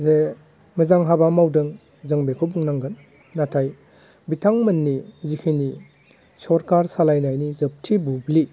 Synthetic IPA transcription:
ze | mɐzaŋɦabamawdɯŋ | zɐŋbekʰowbuŋnaŋɡɯnː | atʰaj | bitʰaŋmɐnːizikʰini | sɔɾkaɾsalajnajnizəp̚tʰibubli

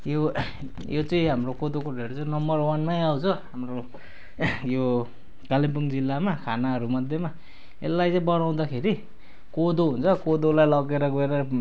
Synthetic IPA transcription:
jo | jot͡sʌĩɦamrokod̪okoɖʱeɾot͡sʌĩnʌmbʌrwʌnmajawt͡sʰʌɦamro | jo | kalimpuŋd͡zilːamakʰanaɦʌɾumʌd̪ʱjʌma | ḛlːajt͡sʌĩbʌnaw̃d̪akʰeɾi | kod̪oɦunt͡sʰʌkod̪olajlʌɡeɾʌɡʌeɾʌ

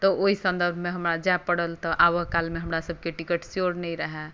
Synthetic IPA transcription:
t̪ɔʔoisə̃nd̪əɾbʱmeɦəmɾad͡ʒapəɽəlt̪ɔʔaʋəɦkalmeɦəmɾasəbʱkeʈikəʈsjoɾnəiɾəɦɛ

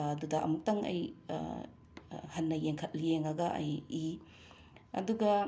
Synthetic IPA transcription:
dudɐʔɐ̰muk̚tɐŋɐ̰j | hɐnːɐjeŋkʰɐt̚lijeŋɐɡɐʔɐ̰ji | ɐ̰duɡɐ

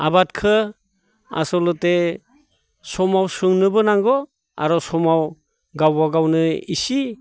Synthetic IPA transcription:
abatkʰɯ | a̰sɔlɯte | sɔmawsɯŋnɯbɯnaŋɡɔ | a̰ɾɔsɔmaw | ɡawbaɡawnɯisi

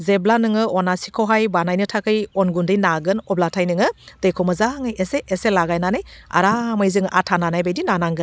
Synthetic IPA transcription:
zeblanɯŋɯʔɔnasikʰoɦajbanajnɯtʰakʰɯjɔnɡundɯjnaɡɯnɔblatʰajnɯŋɯd̥ɯjkʰomɯzaŋajeseʔeselaɡajnanaja̰ɾamajzɯŋʔatʰananajbajdinanaŋɡɯ

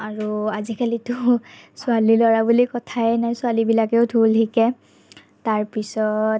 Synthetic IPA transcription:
aɹuazikalitʊsʊalilɔɹabulikɔtʰaɛnajsʊalibilakɛʊdʰʱultʰikɛ | taɹpisɔ

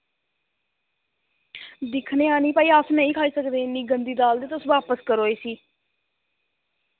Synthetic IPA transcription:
d̪ɪkʰneːaːniːpaːiːasnɛ̃ĩːkʰaːiːsəkd̪ẽːɪnːiːɡənd̪iːd̪aːld̪eːt̪ʊsʋaːpəskəɾoːeːsiː

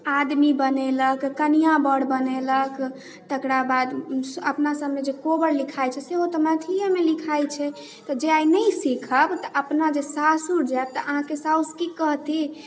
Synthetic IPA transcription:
ad̪mibəneləkːənijabəɽbənelək | t̪əkɾabad̪əpnasəbmed͡ʒekobəɽlikʰajt͡ʃʰɛseɦot̪ɔmət̪ʰijəmelikʰajt͡ʃʰɛ | t̪ɔd͡ʒeajnəjsikʰəbt̪ɔʔəpnad͡ʒesasuɾd͡ʒaɛb̚t̪əʔəɦãkesauskikəɦt̪i

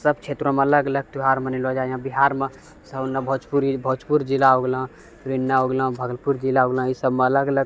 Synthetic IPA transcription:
səbt͡ʃʰeːt̪ɾõmẽɐləɡələɡ̚t̪uɦaːɾmənilod͡ʒaːjãbiɦaːɾmẽ | səbnːabʱot͡ʃpuɾbʱot͡ʃpuɾd͡ʒɪlaɦoɡlã | t̪ɾinːaoːɡlãbʱəɡlpuɾd͡ʒilaɦoɡlə̃isəbmẽɐləɡələɡ̚

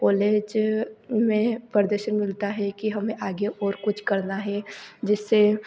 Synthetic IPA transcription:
kɔːleːd͡ʒ | mẽpəɾd̪əɾʃənmɪlt̪aɦɛkiɦɐmẽʔaːɡeʔɔːɾkʊt͡ʃʰkɐɾnaɦɛd͡ʒɪsːe

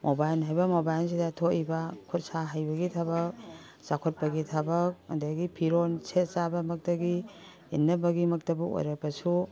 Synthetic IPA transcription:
mʔobajnɦajbɐmobajls̬idatʰoibɐkʰut̚saɦajbɐɡitʰabɐk̚ | sakʰɔt̚pɐɡitʰabɐk̚ɐ̰ndaɡipʰiɾonsetsabɐmɐk̚tɐɡiː | nːɐbɐɡimɐk̚tɐbuo̰jɾapɐsu

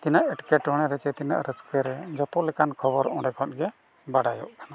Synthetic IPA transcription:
t̪inaʔɛʈkɛʈɔɽ̃ɛɾɛt͡ʃɛt̪ina̰ʔɾəskəɾɛd͡ʒɔt̪ɔlɛkankʰɔbɔɾɔ̃ɖɛkʰɔt̪̚ɡɛ | baɽajɔ̰ʔkʰana

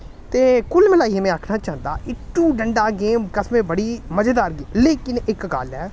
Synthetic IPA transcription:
t̪eːkʊlmɪlaːiːemɛ̃ːaːkʰnaːt͡ʃãːnd̪a̰ːʔɪʈːuːɖəɳɖaːɡeːmkəsmẽːbəɽiːməd͡ʒəd̪aːɾɡiːleːkɪnɪkɡalɛː

